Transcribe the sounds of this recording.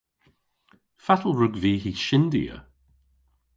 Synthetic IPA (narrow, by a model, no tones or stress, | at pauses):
fatəl̩ˠɹʊɡviːhiʃɪndḭə̰